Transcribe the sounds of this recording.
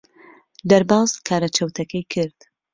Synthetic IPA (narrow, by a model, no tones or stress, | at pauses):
d̪ɐɾbɑːzkʰaːɾɐt͡ʃʰɐwt̪ʰɐkʰɐjkʰɨɾd̪̥